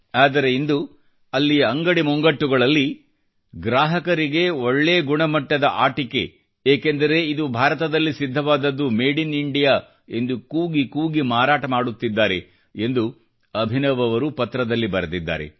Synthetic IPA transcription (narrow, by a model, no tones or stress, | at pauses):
aːd̪ɐɾe̞ind̪u | ɐlːijɐɐŋɡɐɽimɔŋɡɐʈːuɡɐɭɐlːi | ɡɾaːɦɐkɐɾiɡe̞oɭːeːɡuɳɐmɐʈːɐd̪ɐʔaːʈike̞̰ | eːkend̪ɐɾe̞id̪ubʱaːɾɐt̪ɐd̪ɐlːisid̪ʱːɐʋaːd̪ɐd̪ːumeːɖiniɳɖijaː | e̞nd̪ukuːɡikuːɡimaːɾaːʈɐmaːɽut̪ːid̪ːaːɾe̞ | e̞nd̪u | ɐbʱinɐʋɐʋɐɾupɐt̪ɾɐd̪ɐlːibɐɾɐd̪id̪ːa̰ːɾe̞̰